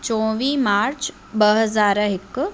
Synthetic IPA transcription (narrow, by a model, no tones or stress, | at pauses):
t͡ʃɔ̃ːʋiːmaːɾt͡ʃ | bəɦəzaːɾɦɪkː